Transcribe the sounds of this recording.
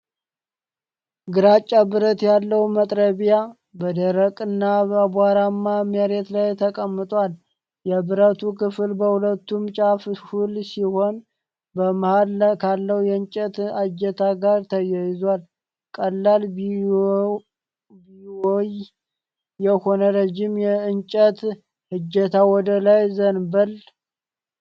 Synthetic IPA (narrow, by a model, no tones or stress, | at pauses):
ɡɨɾat͡ʃʼːabɨɾət̪jalːəwmət̪ʼɾəβija | bəd̪əɾəkʼɨnːabəbaɾamːameɾet̪lajt̪ʰəkʼəmːɨt̪ʼwal | jɛbɨɾət̪ʰukʰɨfɨlbəhulət̪ːumt͡ʃʼafhulsiho̞n | bəmahalkʰalːəwujɛɨnt͡ʃʼət̪ad͡ʒːɛt̪ʰaɡaɾt̪ʰəjajɪzwal | kʼəlːal | bioj | jɛho̞nəɾəd͡ʒːɪmjɛɨnt͡ʃʼət̪ | hɨd͡ʒɛt̪ʰawɔd̪əlajzənbəl